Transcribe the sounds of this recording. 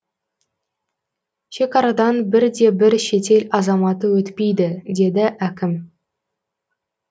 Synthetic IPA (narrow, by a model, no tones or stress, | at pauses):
ʃe̞kɑɾɑd̪ɑnbɪɾd̪e̞bɪɾʃe̞t̪e̞lɑzɑmɑt̪əwɵt̪pejd̪ɪd̪e̞d̪ɪʔækʲɪm